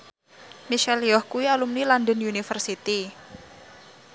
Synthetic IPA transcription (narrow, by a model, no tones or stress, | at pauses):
miʃɛliɔhkuwialumnilɔndənjunifərsit̪i